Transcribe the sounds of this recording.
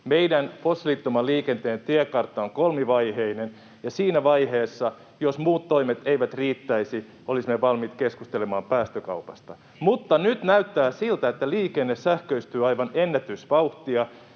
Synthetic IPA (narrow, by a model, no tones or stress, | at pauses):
meidænposːlit̪ːomɑliːkent̪eːnt̪iækɑrt̪ːɑoŋkolmiʋɑjheinen | jɑsiːnæʋɑjheːsːɑ | josmuːt̪ːoimet̪eiʋæt̪riːt̪ːæisi | ʔolisimeʋɑlmit̪keskust̪elemɑːmpæːst̪økɑ̰upɑst̪ɑ | mut̪ːɑnyt̪næyt̪ːæːsilt̪æet̪ːæliːkenːessæhkøyst̪yːɑjʋɑnenːæt̪ysʋɑuht̪iɑ